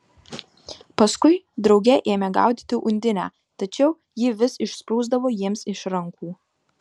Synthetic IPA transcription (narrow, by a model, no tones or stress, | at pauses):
pɐskʊɪ | d̪ɾɒʊɡʲɛʔeːmʲɛɡɑ̰ˑʊd̪ʲiːt̪ʲɪʔʊnʲd̪ʲɪnʲæ̰ː | t̪ɐt͡ʃʲɛʊ | jɪʋʲɪsɪʃspuːzd̪ɐʋoːjiɛmsɪʃɾɐŋkuː